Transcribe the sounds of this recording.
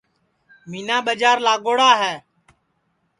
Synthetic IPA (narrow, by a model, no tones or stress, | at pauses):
miːnaːɓəd͡ʒaːɾlaːɠoːɽaːɦɛː